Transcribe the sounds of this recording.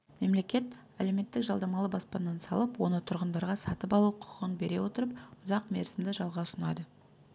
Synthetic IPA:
me̞mle̞kʲe̞t̪ | æle̞me̞t̪ːɪkʒɑlˠd̪ɑmɑlˠəbɑspɑnːɑnsɑlˠəpwo̞nət̪ʰʊɾʁənd̪ɑɾʁɑsɑt̪əpɑlˠuqʰʊ̥qʰəʁənbe̞ɾe̞wo̞t̪əɾəp̚ʊzɑqme̞̰ɾsɪmd̪ɪʒɑlˠʁɑʊsənɑd̪ə

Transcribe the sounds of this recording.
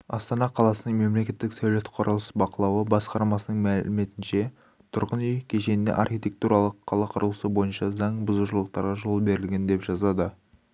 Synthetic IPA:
ɑst̪ɑnɑqʰɑlˠɑsənəɴme̞mle̞kʲe̞t̪ːɪksæwlet̪qʰoɾʔɑlˠəsəbɑqəlˠɑwəbɑsqɑɾmɑsənəɴmælɪme̞t̪ɪnʃe̞ | t̪ʰʊɾʁənʏjkʲʰe̞ʃe̞nɪnḛʔɑrxijt̪ʲe̞k̚t̪uɾɑlˠəqʰːɑlˠɑqʰʊɾəlˠəsəbo̞jənʃɑzɑɴbʊzuʃəlˠəq̚t̪ɑɾʁɑʒo̞lˠbe̞ɾɪlɡʲe̞nd̪e̞pʒ̥ɑzɑd̪ə

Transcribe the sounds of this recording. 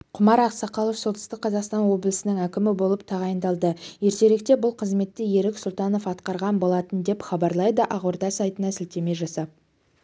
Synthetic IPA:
qʰʊmɑɾɑqsɑqɑlˠo̞fsolt̪ə̥st̪əqqʰːɑzɑqst̪ɑnwo̞blˠəsɪnɪŋækʲɪmɪbo̞lˠəp̚t̪ʰɑʁɑjənd̪ɑlˠd̪əje̞ɾt̪e̞ɾe̞k̚t̪e̞bʊlˠqʰəzme̞t̪ːɪje̞ɾɪksʊlˠt̪ɑno̞fɑt̪qɑɾʁɑnbo̞lˠɑt̪ənd̪e̞pχɑbɑɾlˠɑjd̪əʔɑʁoɾd̪ɑsɑjt̪ənɑsɪlt̪e̞me̞ʒɑsɑp̚

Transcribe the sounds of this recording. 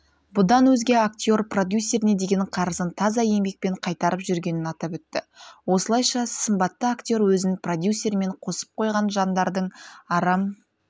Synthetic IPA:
bʊd̪ɑnwɵzɡʲe̞ak̚t̪ʲjo̞rprod̪ʲjusʲe̞ɾɪne̞d̪e̞ɡʲe̞nqʰɑɾəzənt̪ʰɑzɑje̞mbe̞k̚pe̞ɴqʰɑjt̪ɑɾəpʒʏɾɡʲe̞nɪnɑt̪ɑpwɵt̪ːɪwo̞səlˠɑjʃɑsəmbɑt̪ːəakt̪ʲo̞ɾwɵzɪnprod̪ʲjusʲːe̞ɾme̞ɴqʰo̞sə̥p̚qʰo̞jʁɑnʒɑnd̪ɑɾd̪əɴɑɾɑm

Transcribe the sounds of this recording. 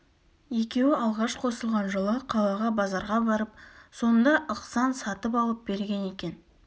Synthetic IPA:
je̞kʲe̞wɪɑlˠʁɑʃqʰo̞səlˠʁɑnʒəlˠəqʰɑlˠɑʁɑbɑzɑɾʁɑbɑɾəp̚so̞nd̪ɑʔəqsɑnsɑt̪əpɑlˠəp̚be̞ɾɡʲe̞ne̞kʲe̞n

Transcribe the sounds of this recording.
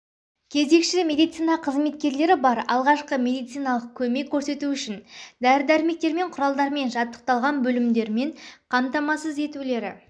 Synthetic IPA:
kʲʰe̞ze̞kʃɪmʲe̞d̪ijt̪sijnɑqʰəzme̞t̪̚kʲe̞ɾle̞ɾɪbɑɾɑ̰lˠʁɑʃqəmʲe̞d̪ijt̪sijnɑlˠəq̚kʲʰɵme̞kʲʰːɵɾse̞t̪uʏʃɪnd̪æɾɪd̪æɾɪme̞k̚t̪e̞ɾme̞ɴqʰʊɾɑlˠd̪ɑɾme̞nʒɑt̪ːə̥q̚t̪ɑlˠʁɑnbɵlɪmd̪e̞ɾme̞ɴqʰɑmt̪ɑmɑsəze̞t̪ule̞ɾɪ̰

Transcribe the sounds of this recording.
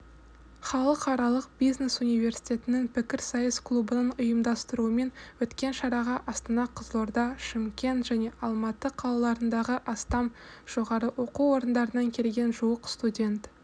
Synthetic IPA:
χɑlˠəqɑɾɑlˠəq̚b̥ijzne̞sunijvʲe̞ɾsi̥jt̪ʲe̞t̪ɪnɪŋpʰɪkʲɪɾsɑjəsklˠubənənʊjəmd̪ɑst̪əɾuəme̞nwɵt̪kʲe̞nʃɑɾɑʁɑʔɑst̪ənɑqʰəzlˠoɾd̪ɑʃɪmkʲe̞nt̪ʒ̥æne̞ʔɑlˠmɑt̪əqʰɑlˠɑlˠɑɾənd̪ɑʁəʔɑst̪ɑmʒ̥o̞ʁɑɾəʔwo̞quo̞ɾənd̪ɑɾənɑŋkʲʰe̞lɡʲe̞nʒuwəqst̪udʲe̞nt̪

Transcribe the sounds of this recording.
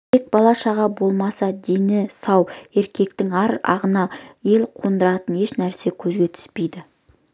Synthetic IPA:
t̪ʰek̚bɑlˠɑʃɑʁɑbo̞lˠmɑsɑd̪enɪsɑwe̞ɾkʲe̞k̚t̪ɪŋɑɾɑ̰ʁənɑje̞lqʰo̞nd̪əɾɑt̪əne̞ʃnæɾse̞kʲʰɵzɡʲe̞t̪ʰʏ̥spe̞jd̪ɪ

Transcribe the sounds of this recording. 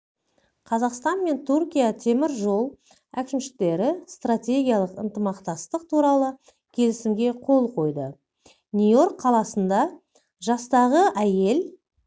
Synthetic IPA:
qʰɑzɑqst̪ɑnme̞nt̪ʰurkʲijat̪ʰe̞mɪɾʒo̞lˠ | ækʲɪmʃɪ̥k̚t̪e̞ɾɪst̪rat̪ʲe̞ɡʲijɑlˠəqə̰nt̪əmɑqt̪ɑst̪əq̚t̪ʰuɾɑlˠə | kʲʰe̞lɪsɪmɡʲe̞qʰo̞lˠqʰo̞jd̪ə | nʲujo̞ɾqqʰːɑlˠɑsənd̪ɑ | ʒɑst̪ɑʁəʔæje̞l

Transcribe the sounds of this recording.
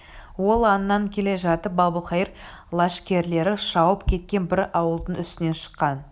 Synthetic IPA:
wo̞lˠɑnəːɑŋkʲʰe̞le̞ʒɑt̪əp̚bɑbəlˠχɑjəɾ | lˠɑʃkʲe̞ɾle̞ɾɪʃɑwəpkʲʰe̞t̪̚kʲe̞nbɪɾɑwəlˠd̪əɴʏst̪ɪne̞nʃə̥qːɑn

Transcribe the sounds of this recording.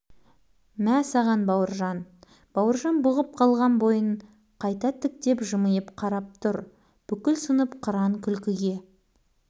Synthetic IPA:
mæsɑʁɑnbɑwəɾʒɑn | b̥ɑwəɾʒɑnbʊʁəp̚qʰɑlˠʁɑnbo̞jəɴ | qʰɑjt̪ɑt̪ʰɪk̚t̪e̞pʒəməjəpqʰɑɾɑp̚t̪ʰʊɾ | b̥ʏkʲɪlsənəpqʰəɾɑŋkʲʰʏlkʲɪɡʲe̞

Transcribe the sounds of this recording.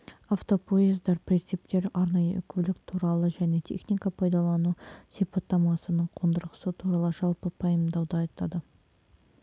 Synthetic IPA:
aft̪o̞pʰoizd̪ɑɾpɾʲet̪sip̚t̪e̞ɾɑɾnɑjə̰ʔʏ̰kʲʰɵlɪkt̪ʰuɾɑlˠəʒæne̞t̪ʰe̞̰χnʲijkapʰɑjd̪ɑlˠɑnusijpɑt̪ːɑmɑsənəɴqʰond̪əɾʁəsət̪ʰuɾɑlˠəʒɑlˠpəpʰɑjəmd̪ɑwd̪əɑjt̪ɑd̪ə

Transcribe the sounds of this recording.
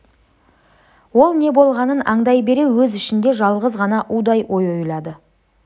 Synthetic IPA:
wo̞lˠne̞bo̞lˠʁɑnənɑɴd̪ɑjbe̞ɾe̞wɵzɪʃɪnd̪e̞ʒɑlˠʁəzʁɑnɑʔud̪ɑjʔo̞jo̞jlˠɑd̪ə

